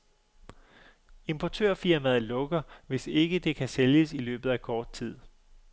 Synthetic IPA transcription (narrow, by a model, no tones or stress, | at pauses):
e̝mpʰɒt͡sʰø̰ɐ̰fiɐmæð̩ˠlɔ̽ɡ̥ɐʋe̝se̝ɡ̥əd̥e̝kʰæseljəsilø̰ːb̥ð̩ˠækʰɒːd̥̚t͡sʰið̞̰ˠ